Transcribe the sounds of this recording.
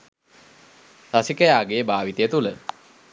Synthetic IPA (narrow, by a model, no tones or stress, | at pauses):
sasikəjaːɡejəbaːʋit̪əjət̪ulə